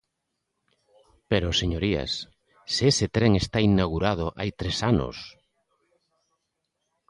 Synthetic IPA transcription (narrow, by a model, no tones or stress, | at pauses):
peɾoseɲoɾia̰s | seeset̪ɾeŋest̪ainaɣuɾað̞ʊʔa̰jt̪ɾesanʊ̰s